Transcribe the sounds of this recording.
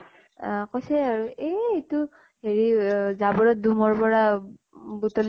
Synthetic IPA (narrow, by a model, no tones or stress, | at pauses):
kɔsɛaɹueːtu | heɹizabɔɹɔt̚dumɔɹpɔɹa | butɔl